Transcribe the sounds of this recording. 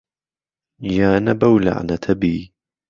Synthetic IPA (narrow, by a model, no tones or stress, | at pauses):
jaːnabawla̰ʕ̰nat̪ʰabiː